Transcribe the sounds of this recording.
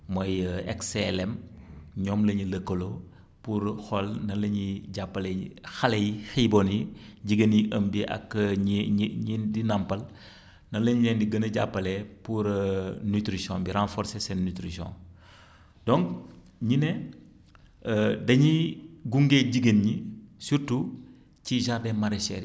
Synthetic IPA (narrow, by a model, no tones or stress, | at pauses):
mɔjɛ̰ksɛlɛmɲɔːmlɐɲiləkːəlo | puɾxɔlnɐlɐɲiɟapːɐlɛxɐlɛjxibɔnjiɟiɡənjiʔəmbiʔɐ̰k | ɲidinɐmpɐl | nɐlɐɲilɛndiɡənɐɟapːɐlɛpuɾnytɾisjɔ̃biɾãnfɔɾsesɛnnyt̪ɾisjɔ̰̃ | dɔ̃ŋk | ɲinɛ | dɐɲiɡuŋɡeɟiɡənɲisuɾtu | ciʒaɾdɛːmɐɾɛsɛ̰ː